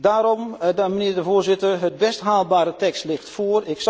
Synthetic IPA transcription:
daːɾɔmdaməniədəvoːrzɪtərɦət̚bɛstɦaːlˠbaːɾətɛkstlɪxtfoərɪks

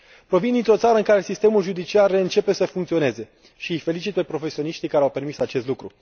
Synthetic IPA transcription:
pɾo̞vind̪int̪ɾo̞t̪saɾəɨnŋkaɾe̞sist̪e̞mulʒud̪it͡ʃiareɨnt͡ʃe̞pe̞səfuŋkt̪sio̞ne̞ze̞ | ʃiɨjfe̞lit͡ʃit̪̚pe̞pɾo̞fesio̞niʃt̪ijkaɾeawpe̞rmisat͡ʃe̞st̪lukɾu

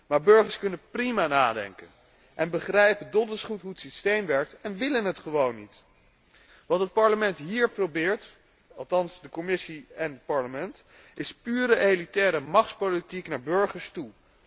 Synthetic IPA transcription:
maːɹbɵɹχəɹskɵnənprimanaːdɛ̰ŋkən | ʔɛnbəχrɛjpəndɔdəlsχutɦuətsistejmʋɛɹk̚tɛnʋɪlənɦətχəʋownːit | ʋɑtɦət̚pɑɹləmɛntɦiːɹprowbɪːɹt | ɑlˠtɑnsdəkomɪsiɛnət̚pɑɹləmɛnt | ɪspyːɾəʔejlitɛːɾəmɑχtpolitiknaːɹbɵɹχəɹstu

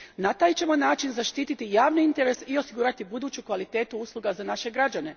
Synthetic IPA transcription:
nat̪aːjt͡ɕe̞mo̞naːt͡ʃinzaʃt̪iːt̪it̪ijaːʋniint̪e̞ɾe̞sio̞siɡuːɾat̪ibud̪uːt͡ɕukʋalit̪e̞ːt̪uuslˠuɡazanaʃe̞ɡɾad͡ʑane̞

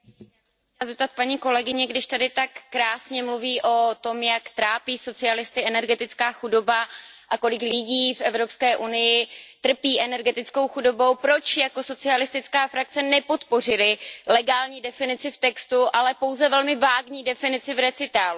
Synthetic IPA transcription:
azɛp̚t̪at̪̚paɲiːko̞lɛɡɪɲɛɡdɪʃt̪adɪt̪akːɾaːsɲɛmluviːʔo̞t̪o̞mjakt̪ɾaːpiːso̞t͡sɪalɪst̪ɪɛnɛɾɡɛt̪ɪt͡skaːxudo̞baʔako̞lɪklɪɟiːfʔɛvɾo̞pskɛːʔunɪjɪt̪r̩piːʔɛnɛɾɡɛt̪ɪt͡sko̞wxudo̞bo̞wpɾo̞t͡ʃjako̞so̞t͡sɪalɪst̪ɪt͡skaːfɾak̚t͡sɛnɛpo̞t̪po̞r̝ɪlɪlɛɡaːlɲiːdɛfɪnɪt͡sɪft̪ɛkst̪uʔalɛpo̞wzɛvɛlmɪvaːɡɲiːdɛfɪnɪt͡sɪvɾɛt͡sɪt̪aːlu

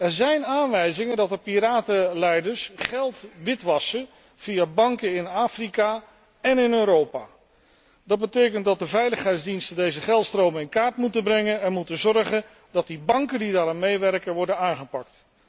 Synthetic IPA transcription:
ɛɹzɛjnaːnʋɛjzɪŋəndɑtdəpiɾaːtəlɛjdəɹsχɛlˠtʋɪtʋɑsə | v̥ijabɑŋkəɪnaːfrika | ɛnɪnøːɾowpa̰ː | dɑd̚bətejkəntdɑt̚dəvɛjləχɦɛjtzdinstəndejzəχɛlˠtstrowmənɪnkaːɹtmutənbrɛŋənɛnmutəzɔrχən | dɑt̚dibɑŋkəndidaːɾammejʋɛrkənʋɔɹdənaːŋχəpɑk̚t

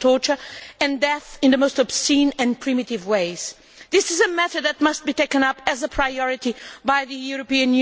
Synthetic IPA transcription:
tʰɔɹt͡ʃə˞ɨ̃ndɛθɨ̃nðɨmoʊstəb̥sĩnɨ̃npʰɹ̥ĩmɨɾɪvweɪz̥ | ðɪsɨzɨmɛθə˞d̚ðɨt̚mʌst̚b̥iteɪkɨ̃nʌpɨzəpʰɹ̥aɪɔɹɨɾibaɪðɨjuɹɨpiɨ̃nj

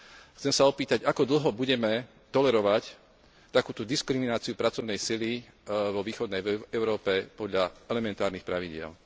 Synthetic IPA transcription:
xt͡sɛmsaɔpiːt̪aɟakɔd̪l̩ɦɔbuɟɛmɛ | t̪ɔlɛɾɔʋac | t̪akuːt̪ɔd̪iskɾiminaːt͡siupɾat͡sɔʊnɛjsili | ʋɔʋiːxɔd̪nɛjɛʊɾɔːpɛpɔd̪ʎaɛlɛmɛnt̪aːɾnixpɾaʋiɟɪɛ̰l

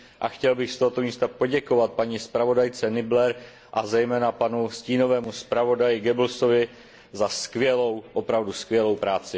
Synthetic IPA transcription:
ʔaxcɛlbɪxst̪oɦot̪o̞miːst̪apo̞ɟɛko̞vat̪̚paɲispɾavo̞dajt͡sɛnɪblɛɾ | ʔazɛjmɛːnapanusciːno̞vɛːmuspɾavo̞dajɪɡɛbl̩so̞vɪ | zaskvjɛlowʔopɾavduskvʲjɛlo̞wpɾaːt͡sɪ

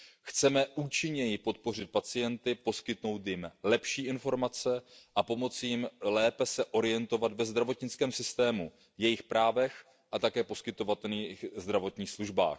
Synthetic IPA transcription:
xt͡sɛmɛʔuːt͡ʃɪɲɛjɪpo̞t̪̚po̞rɪt̪̚pat͡sɪjɛnt̪ɪpo̞skɪt̪no̞wt̪jɪmlɛpʃiːɪnfo̞ɾmat͡sɛʔapo̞mo̞t͡sjɪmlɛːpɛsɛʔo̞ɾɪjɛnt̪o̞vat̪vɛzd̪ɾavo̞t̪ɲɪt͡skɛːmsɪst̪ɛːmu | jɛjɪxpɾaːvɛx | ʔat̪akɛːpo̞skɪt̪o̞vat̪ɛlniːxzd̪ɾavo̞t̪ɲiːxsluʒba̰ːx

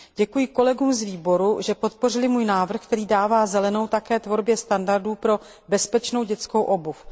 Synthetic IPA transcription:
ɟɛkujɪko̞lɛɡuːmzviːbo̞ɾuʒɛpo̞t̪̚po̞rɪlɪmuːjnaːvr̩xk̚t̪ɛɾiːdaːvaːzɛlɛno̞wt̪akɛːt̪vo̞ɾbjɛst̪andaɾduːpɾo̞ | bɛspɛt͡ʃno̞wɟɛt͡skowʔo̞buf

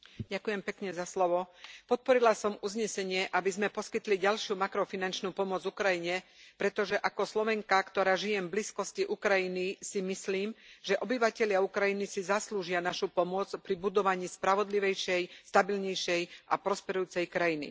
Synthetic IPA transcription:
ɟakujɛmpɛkɲɛzaslɔʋɔpɔt̪̚pɔɾilasɔmuzɲɛsɛɲɪɛʔabizmɛpɔskit̪liɟalʃɪumakɾɔfinant͡ʃnupɔmʊɔd͡zvukɾajiɲɛpɾɛt̪ɔʒɛʔakɔslɔʋɛŋkakt̪ɔɾaːʒijɛmbliskɔsciʔukɾajinisimisliːmʒ̥ɛʔɔbiʋacɛʎɪaukɾajinisizasluːʒɪanaʃupɔmʊɔt͡spɾibud̪ɔʋaɲiːspɾaʋɔd̪liʋɛjʃɛjst̪abilɲɛjʃɛjʔapɾɔspɛɾujuːt͡sɛjkɾajinḭ

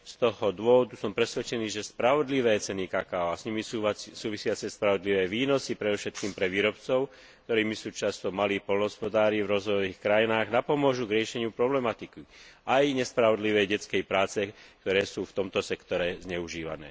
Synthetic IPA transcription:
st̪ɔɦɔd̪ʊɔʋɔd̪usɔmpɾɛsʋɛt͡ʃɛniːʒɛspɾaʋɔd̪liʋɛːt͡sɛnikaːkaːɔasɲimiasuːʋisɪat͡sɛspɾaʋɔd̪liʋɛːʋiːnɔsipɾɛd̪ɔfʃɛt̪kiːmpɾɛʋiːɾɔpt͡sɔʊ | k̚t̪ɔɾiːmisuːt͡ʃast̪ɔmaliːxpɔlnɔɦɔspɔd̪aːɾivɾɔzʋɔjɔʋiːxkɾajinaːɣnapɔmʊɔʒuɡɾɪɛʃɛɲɪupɾɔblɛmat̪ikiajɲɛspɾaʋɔd̪liʋɛjɟɛt͡skɛjpɾaːt͡sɛkt̪ɔɾɛːsuːft̪ɔmt̪ɔsɛkt̪ɔɾɛzɲɛuʒiːʋa̰nɛ̰ː

